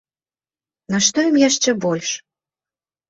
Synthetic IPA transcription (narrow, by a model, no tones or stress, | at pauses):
nɑʃt̪ojəmjæʃt͡ɕə̆bolʲʃ